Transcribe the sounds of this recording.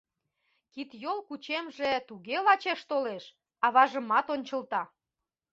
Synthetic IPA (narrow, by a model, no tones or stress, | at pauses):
kit̪jolkut͡ɕemʒet̪uɣelɑt͡ɕeʃt̪oleʃ | ɑβɑʒəmɑt̪onʲt͡ɕəlt̪ɑ